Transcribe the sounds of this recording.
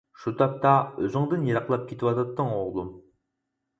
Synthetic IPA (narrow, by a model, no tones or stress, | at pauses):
ʃut̪ʰɑp̚t̪ɑøzɪŋd̪ɪnjeɾɑqlˠɑp̚kʲʰet̪ʰɪwɑt̪ɑt̪ːəŋoʁlˠum